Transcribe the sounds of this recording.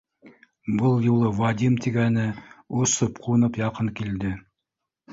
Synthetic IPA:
bɤlˠjulˠɤvad̪ʲimt̪iɡænɘusɤpqʰuɤ̆nɤpjɑqɤŋkild̪ɘ

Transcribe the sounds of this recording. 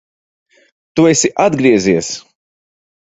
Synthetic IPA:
t̪uesiʔad̪ɡɾiɛziɛs

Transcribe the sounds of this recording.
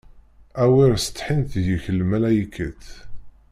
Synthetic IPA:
æwiɾsə̥t̪ːħint̪ðjiçəlmælæjikʰːəθ

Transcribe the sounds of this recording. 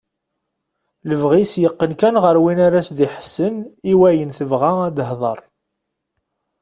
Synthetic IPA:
ləvʁisjəqːənkænʁəɾwinaɾæsd̪iħsːəniwæjənθəvʁaæd̪əɦðˤɑ̰ɾˤ

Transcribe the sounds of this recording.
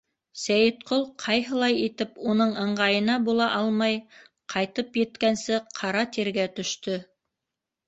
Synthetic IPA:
sæjɘt̪qolˠqʰɑjɦɤ̆lˠɑjit̪ɘpunɤɴɤ̆ɴɢɑjɤ̆nɑbulˠɑʔɑlˠmɑj | qʰɑjt̪ɤpjɘ̆t̪kænsɘqʰɑɾɑt̪iɾɡæt̪ɵ̆ʃt̪ɵ

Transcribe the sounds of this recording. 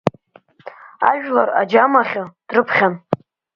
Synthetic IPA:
a̰ʒᶣlara̰d͡ʒamaχʲod̥rɨpʰχʲan

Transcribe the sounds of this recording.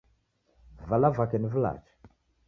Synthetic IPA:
valavakɛnivula̰t͡ʃi̥

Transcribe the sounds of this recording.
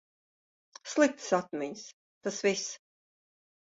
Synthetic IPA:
slˠik̚t̪sat̪mʲɛɲs | t̪asvis

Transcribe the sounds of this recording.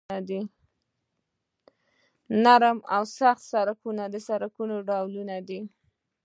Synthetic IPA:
ad̪i | naɾmawsaxt̪saɾakunad̪əsaɾakunoɖawlunad̪i

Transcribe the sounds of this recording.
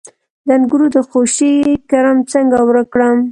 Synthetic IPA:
d̪anɡuɾud̪əxoʃikaɾamt͡səŋɡawɾəkɽəm

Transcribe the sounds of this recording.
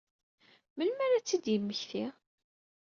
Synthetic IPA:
məlmæɾæt͡sːid̪jəmːəçθi

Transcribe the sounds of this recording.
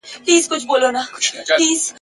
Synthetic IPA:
pliːzkʊt͡ʃʰbolonaliːz

